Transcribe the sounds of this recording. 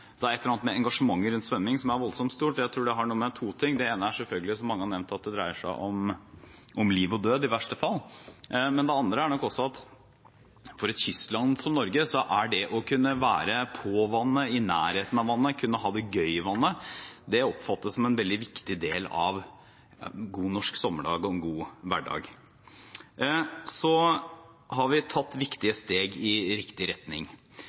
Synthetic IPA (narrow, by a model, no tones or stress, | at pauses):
d̪ɛæɾɛt̪lːəɾɑnmɛɛŋɡɑʂəmɑŋːəɾʉnt̪sʋɛmːɪŋsɔmæɾʋɔlsɔmt̪st̪uːʈɔjæɪt̪ʰɾuːɖɛɦɑɳuːəmɛt̪ʰuːt̪ʰɪŋːd̪ɛeːnəæʂɛlfœlɡəlɪsɔmːɑŋːəhɑnɛʋnt̪ɑt̪̚d̪ɛd̪ɾæɪəʂæ̰ɪʔɔm | ʔɔmliːʋɔd̪øːd̪ɪʋæʂʈəfɑlː | mɛnd̪ɛɑnd̪ɾəæɳɔkːɔsːɔɑt̪ | fɔɾɛt̪çʏslɑnsɔmnɔɾɡəsɔʔæɖɛʔɔkʰʉnːəʋæːɾəpʰoːʋɑnːəɪnæːɾheːt̪ənɑʋɑnːəkʰʉnːəɦɑːd̪ɛɡœʏɪʋɑnːəd̪ɛɔpfɑt̪ːəssɔmɛnʋɛld̪ɪʋɪkt̪ɪd̪eːlɑ̰ʋ | ɡuːnɔʂksɔmːəɖɑːɡɔɛnɡuːʋæɖɑ̰ːɡ | sɔ | hɑɾʋɪt̪ʰɑt̪ːʋɪkt̪ɪəst̪eːɡɪɾɪkt̪ɪɾɛt̪nɪŋ